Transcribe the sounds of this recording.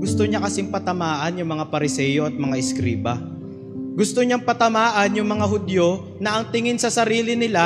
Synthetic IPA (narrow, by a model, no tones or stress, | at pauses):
ɡʊst̪oɲakɐsɪŋpɐt̪ɐmaːʔɐnjʊŋmɐŋapɐɾɪsɛːjo̞ɐt̪̚mɐŋaʔɪskɾiːbɐ | ɡʊst̪oɲaŋpɐt̪ɐmaːʔɐnjʊŋmɐŋaɦʊd̪jo | nɐʔɐŋt̪ɪŋɪnsɐsɐɾiːlɪnɪla